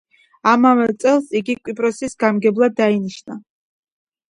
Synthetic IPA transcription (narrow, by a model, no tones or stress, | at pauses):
amavɛlt̪sʼɛlˠsiɡikʼwipʼɾɔsisɡamɡɛblˠad̪ainiʃna